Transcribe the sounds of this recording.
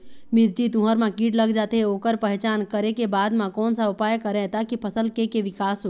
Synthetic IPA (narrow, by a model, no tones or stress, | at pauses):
mɪɾd͡ʒit̪uɦəɾmãkiːʈlɐɡd͡ʒaːt̪eɦeoːkəɾpɛɦt͡ʃaːnkɐɾekebaːd̪mãkɔːnsaʊpaːjəkəɾɛɦt̪akipʰɐsəlkekeʋɪkaːsɦo